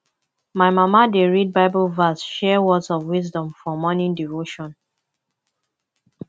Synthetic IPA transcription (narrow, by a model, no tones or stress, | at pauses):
maɪmamadeɹid̚baɪbɔlvasʃɛwɔdsɔvwizdɔ̃mfɔmɔnĩndivoʃɔ̃n